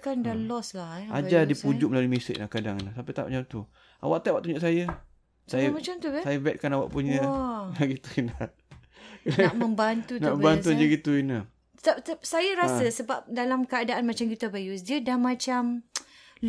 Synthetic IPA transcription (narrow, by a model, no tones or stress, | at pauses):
kandalɔslaa̰d͡ʒadipud͡ʒʊʔ̚məlalimisɪ̰ʔ̚lahkadaŋinaht̪apit̪a̰ʔmt͡ʃamt̪u | a̰waʔt̪aʔwaʔ̚t̪uɲd͡ʒʊʔsajə | sajəmat͡ʃamt̪ubɛsajəbɛt̪̚kanawaʔpuɲəlaɡit̪uina | kənaʔməmbant̪unaəmban̬und͡ʒaɡit̪uinə̥ | t̪ap̚t̪əp̚sajəɾasəsəbap̚dalamkəadaʔanmat͡ʃamkit̪abajus̬diədamat͡ʃam | l